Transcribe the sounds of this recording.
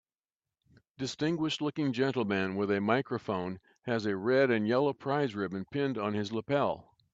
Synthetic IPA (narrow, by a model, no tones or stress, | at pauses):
d̥ɨstɪ̃ŋɡwɨʃtˡlʊkɪ̃ŋd͡ʒɛ̃ntˡl̩ˠmɨ̃nwɪðɨmaɪkɹɨfõʊ̃n | ɨzɨɹɛɾɨ̃njɛlˠoʊpʰɹ̥aɪzɹɪbɨ̃npʰɪ̃ndn̩ɨzləpʰɛlˠ